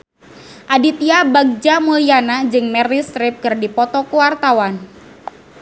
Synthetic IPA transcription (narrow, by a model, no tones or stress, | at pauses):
ʔadit̪iabaɡ̚d͡ʒamulianad͡ʒɨŋmɛrist̪ɾɪp̚kɨrdipɔt̪ɔkuwart̪awan